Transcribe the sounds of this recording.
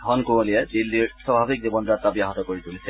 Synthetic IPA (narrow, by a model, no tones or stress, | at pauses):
ɦɔnkũolied̪ilːiɹsabʱabik̚d͡ʑibɔnzat̪ːabijaɦɔt̪ɔkoɹit̪ulit͡ɕʰe